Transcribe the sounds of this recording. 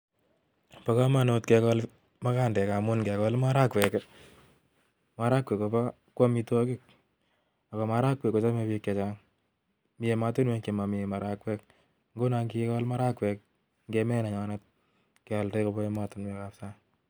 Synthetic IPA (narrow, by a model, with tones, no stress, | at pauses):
pa˦ka˦ma˨no˧tkɛ˧kɔl | ma˦ka˦ndɛ˨ka˨mʊ˦nkɛ˨kɔ˦lma˦ɾa˦kwɛ˨k | ma˦ɾa˦kwɛ˨kːo˨pa˦ | kwɔ˦mi˧twɔ˦kɪ˦k̚ | a˨kɔ˨ma˦ɾa˦kwɛ˨kːo˨t͡ʃa˦me˧pikːe˨t͡ʃa˦ŋ | mi˨e˨ma˧tu˦nwɛ˦kema˨mi˨e˨ma˨ɾakwɛ˦k̚ | ŋɡo˦na˧ŋkikɔ˦lma˦ɾa˦kwɛ˨k̚ | ŋɡemɛ˦na˨ɲana˦t̚ | ke˨a˨lte˦ko˧bɔ˦e˦ma˨tu˦nwɛ˦ka˦psa˦